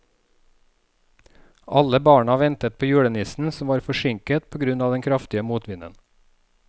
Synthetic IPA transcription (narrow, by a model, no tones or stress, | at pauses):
ʔɑləbɑːɳɑʋɛnt̪ət̪̚pʰoːjʉːɽənɪsn̩sɔm̩ʋɑːɾfɔʃɪŋkət̪̚pʰoːɡɾʉnɑːʋd̪ɛŋkʰɾɑft̪ɪəmuːt̪ʋɪnə̰n